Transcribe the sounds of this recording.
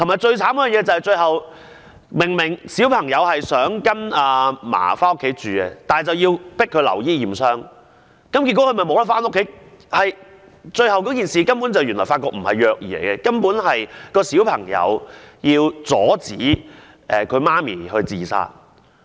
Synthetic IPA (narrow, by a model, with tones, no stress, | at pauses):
t̪ʰo˨˩maː˨˩jt͡sɵ˧ɥt͡sʰaː˨˥mkɔ˧˥˨jɛː˨˧t͡sɐ˨˧hɐ˨jt͡ʃɵ˧ɥhɐ˨w | mɪ˨˩ŋmɪ˨˩ŋsi˨˥wpʰɐ˨˩ŋjɐ˨˧whɐ˨jsœː˨˥ŋkɐ˥naː˨˧ma̰ː˨˩faː˥nʊ˥kʰːe˨˧˥jt͡syː˨ɛ˧t̪aː˨t͡sɐ˨wjiː˧wpɪ˥kʰːɵ˨˧ɥlɐ̰˨˩wjiː˥jiː˨˩msœː˥ŋ | kɐ˨˦mki˧tkɔ˨˥kʰɵ˧mɐ˨jmo˨˧wlɐ˥tfaː˥nʊ˥kʰːe˨˥j | hɐ˨j | t͡sɵ˧ɥhɐ˨wkɔː˨˥k̬iː˨˩nsiː˨kɐ˥mpu˨˥nt͡sɐ˨wjy˨˩nlɔ̰ː˨˩faː˧tkɔː˧k̚m̩˨˩hɐ̰˨jːœː˨˧k̚jiː˨˩lḛ˨˩jkɛ˧kɐ˥mpuː˨˥nɦɐ˨jkɔː˧siː˨˥wpʰɐ˨˩ŋjɐ̰˨˧wjiː˧wt͡sɔː˨˥t͡siː˨˥ | ʔɛː˨˩kʰɵ˨˧ɥmaː˥mḭː˨˩hɵ˧ɥt͡siː˨˩sa̰ː˧t̚